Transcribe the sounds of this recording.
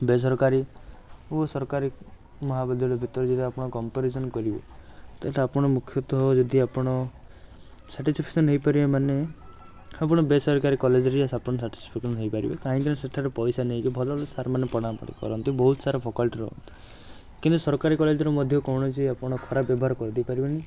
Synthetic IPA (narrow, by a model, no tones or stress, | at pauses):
bes̬ɔɾkaɾiuɔsɔɾɔkaɾi | mɔɦabɔd̪ʱɔlɔbʱit̪ɔɾɔd͡ʒɔd̪iapɔɽ̃ɔkɔmpaɾesɔnkɔɾibḛt̪alapɔɽ̃ɔmukʰːjɔt̪ɦɔd͡ʒɔd̪iapɔɽ̃ɔ | saʈispʰiksɔnɦejpaɾibemane | apɔɽ̃ɔbesɔɾkaɾikɔled͡ʒɔɾiasapɔɽ̃ɔsaʈi̥spʰiksɔnɦejpaɾibekaɦĩkiñeseʈʰaɾepɔjsaneɦikibʱɔlɔlɔsaɾɔmanepɔɽ̃apɔ̰ɽḭkɔ̰ɾɔnt̪ibɔɦut̪ɔsaɾɔpʰokɔlʈiɾɔ̰ɦɔ̰nt̪i̥ | kint̪usɔɾkaɾikɔled͡ʒɔɾɔmɔd̪ʱjɔkɔwɽ̃ɔt͡ʃʰiapɔɽ̃ɔkʰɔɾabjɔbɔɦaɾɔkɔɾd̪ipaɾibeni